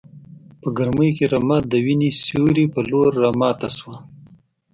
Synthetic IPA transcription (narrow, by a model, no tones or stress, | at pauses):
pəɡaɾməjkeɾamɑt̪̚d̪əwinisjuɾipəloɾːamɑːt̪aswa